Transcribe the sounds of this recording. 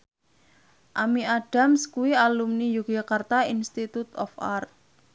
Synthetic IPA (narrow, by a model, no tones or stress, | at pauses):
ʔamiaɖ̥a̤mskuwialumnijukd͡ʒakart̪ainst̪it̪ut̪ɔfa̰rt̪̚